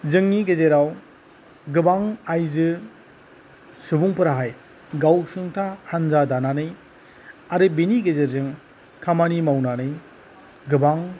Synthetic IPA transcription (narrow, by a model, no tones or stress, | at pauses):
zɯŋniɡezeɾaw | ɡɯbaŋajzɯ | sɯbuŋpɯɾaɦaj | ɡawsɯŋtʰahanzadananɯj | aɾɯbiniɡezeɾzɯŋ | kʰamanimawnanɯj | ɡɯbaŋ